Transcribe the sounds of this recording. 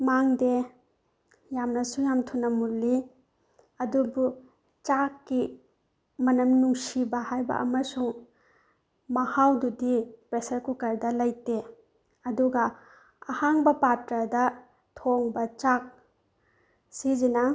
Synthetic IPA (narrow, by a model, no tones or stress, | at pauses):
maŋde | jamnɐsujamtʰunɐmulːi | ɐdubu | t͡ʃakːi | mɐnɐmnuŋsibɐhajbɐ̰ʔɐ̰mɐsuŋ | mɐhawdudipɾesɐɾkukɐɾdɐlɐjte | ɐduɡɐ | ɐhaŋbɐpatɾɐdɐ | tʰoŋbɐt͡ʃak̚ | sizinɐ